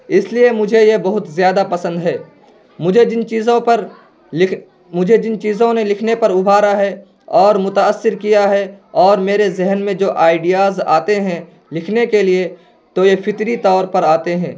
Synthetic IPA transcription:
ɪsliemʊd͡ʒʱejebɐɦʊt̪zjaːd̪apɐsə̃nd̪ɦɛː | mʊd͡ʒʱed͡ʒɪnt͡ʃiːzõpɐɾ | mʊd͡ʒʱed͡ʒɪnt͡ʃiːzõnelɪkʰnepɐɾʊbʱaːɾaɦɛ | ɔːɾmʊt̪aəsːɪɾkijaɦɛɔːɾmeːɾezɛɦənmẽd͡ʒoːʔaːɪɖijaːza̰ːt̪eɦɛ̃ | lɪkʰnekelie | t̪ojepʰɪt̪ɾit̪ɔːɾpɐɾaːt̪eɦɛ̃ː

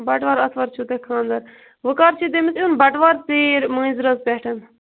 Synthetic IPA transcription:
bɐʈʋaːɾɐt̪ʰʋɐɾt͡ʃʰut̪ekʰãːnd̪ɐɾ | ʋəkaːɾt͡ʃʰid̪emisunbɐʈʋaːɾt͡seːɾmə̃ːzɾɐzpɛːʈʰɐn

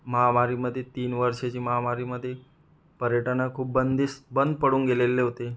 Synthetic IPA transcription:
məɦamaɾiməd̪ʱːjet̪iːnʋəɾʂet͡ɕiːməɦamaɾiməd̪ʱːje | pəɾjəʈənakʰuːp̚bənd̪isbənd̪̚pəɽũːnɡelelːeɦot̪e

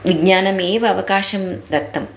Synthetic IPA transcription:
ʋiɡɲaːnɐmeːʋɐɐʋɐkaːʃɐmd̪ɐt̪ːɐm

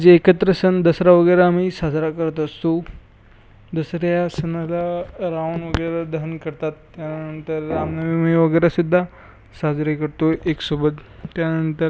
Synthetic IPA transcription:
d͡zeekət̪ɾəsənd̪əsɾaʋəɡəjɾaːm̤iːsad͡zɾakəɾt̪əst̪o | d̪əsɾjasənalaɾaʋənʋəɡəjɾad̪əɦənkəɾt̪at̪ːjaənt̪əɾːamnəʋimiʋəɡəjɾasud̪ʱːa | sad͡zɾekəɾt̪oeksobət̪ːjanənt̪əɾ

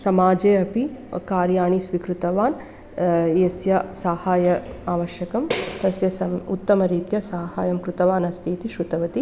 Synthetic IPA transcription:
sɐmaːd͡ʒeːɐpikaːɾjaːɳisʋikɾut̪ɐʋaːn | jesjɐsaːhaːjɐaːʋɐʃjɐkɐmt̪ɐsjɐsɐut̪ːɐmɐɾiːt̪jɐsaːhaːjɐmkɾut̪ɐʋaːnɐst̪ʰiːt̪iʃɾut̪ɐʋɐt̪i

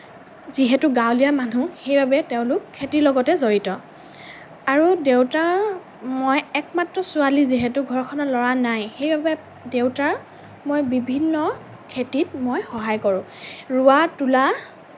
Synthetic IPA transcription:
ziɦɛtʊɡawlijamanuxejbabɛteʊ̃lʊkʰːetilɔɡɔtɛzoɹitɔ | aɹudewta | mojɛk̚matɹɔsʊaliziɦɛtʊɡʱɔɹkʰɔnɔtlɔɹanajxejbabɛ | dewtaɹ | mojbibʱinːɔ | kʰetit̚mojxɔɦajkɔɹʊ̃ | ɹʊatula

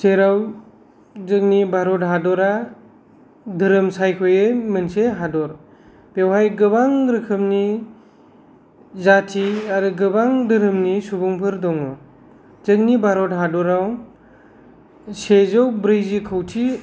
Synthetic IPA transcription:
seɾaw | zɯk̚nibʱaɾɔtɦadɔɾa | dɯɾɯmsajkʰɔjɯjmɯnseɦadɔɾ | pewɦajɡɯbaŋɾɯkʰɯmni | zatʰiaɾɯɡɯbaŋdɯɾɯmnisubuŋpʰɯɾdɔŋɔ | zɯk̚nibʱaɾɔdɦadɔɾaw | sezɯwbɾɯzikʰɯwtʰi

